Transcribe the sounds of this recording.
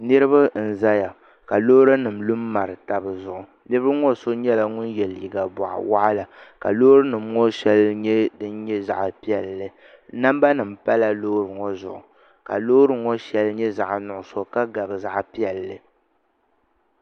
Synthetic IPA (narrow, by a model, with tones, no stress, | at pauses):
nɨ˦ɾɨ˦ba˦n̩˨za˦ja˨ | ka˨loː˦ɾɨ˦nɨ˨m̩lu˦mːa˨ɾɨ˨ta˨bɨ˨zʊ˨ʔʊ˨ | nɨ˦bɨ˦ɾɨ˦ŋɔ˦˨so˦ɲɛ˦la˨ŋʊ˦njɛ˨ljḭ˨ɡa˨bɔ˨ʔa̰˨wa˦ʔa˦la˨ka̰˨lo˦ɾɨ˦nɨ˨mŋɔ˦ʃɛ˦lɲɛ˦dɨ˦nɲɛ˦za̰˨ʔpi˦ɛ˨lːɨ˨ | na˦m˦ba˦nɨ˨m̩˨pa˦la˨lo˦ɾɨ˨ŋɔ˦zʊ̰˨ʔʊ˨ | ka̰˨loː˦ɾɨ˨ŋɔ˦ʃɛ˨lɲɛ˦za˨ʔnʊ˨ʔʊ˨so˦ka˦ɡa˨bɨ˨za˦ʔpi˦ɛ˨lːɨ˨